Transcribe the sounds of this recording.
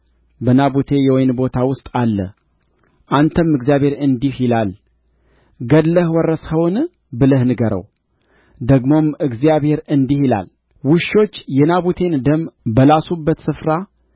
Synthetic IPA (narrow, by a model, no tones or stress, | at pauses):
bənaβut̪ʰe̞jɛwɔjnbo̞t̪ʰawʊst̪ʼalːə̰ | ʔant̪ʰəmɨɡzjaβhe̞ɾɨnd̪ihilal | ɡəd̪ləhwɔrːəshəwn | bɨləhnɨɡəɾə̰w | d̪əɡmo̞mɨɡzijaβhe̞ɾɨnd̪ihila̰l | wɨʃːo̞t͡ʃːjɛnaβut̪ʰe̞nɨd̪əmbəlasubːət̪sɨfɾa